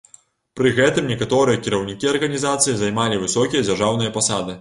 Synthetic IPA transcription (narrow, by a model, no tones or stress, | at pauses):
pɾɨɣɛt̪ɨmnʲɛkat̪ɔɾɨjɐkʲiɾɐwnʲikʲiɐrɣɐnʲizat̪sɨjizajmalʲivɨsɔkʲijɐd͡zʲarʐawnɨjɐpasad̪ɨ